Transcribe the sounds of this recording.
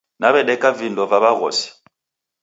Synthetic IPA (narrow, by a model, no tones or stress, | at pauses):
naβɛɗɛkavindɔvaβaɣɔ̰si̥